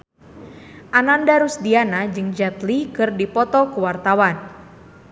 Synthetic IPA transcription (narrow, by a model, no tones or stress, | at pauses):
ʔanandaɾusdianad͡ʒɨŋd͡ʒat̪likɨrdipɔt̪ɔkuwart̪awan